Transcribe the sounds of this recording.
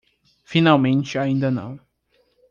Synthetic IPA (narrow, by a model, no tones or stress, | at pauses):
finawmẽnt͡ʃɪaĩnd̪ɐnɐ̰̃w̃